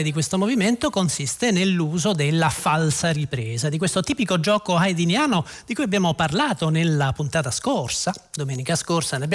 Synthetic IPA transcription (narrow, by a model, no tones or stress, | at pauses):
ed̪ik̬west̪omoviment̪okonsist̪enelːuːzod̪elːafalsaripɾɛːzad̪ik̬west̪ot̪iːpikod͡ʒɔːkoajd̪injaːnod̪ikujabjaːmoparlaːt̪onelːapunt̪aːt̪askorsad̪omɛːnikaskorsaneabj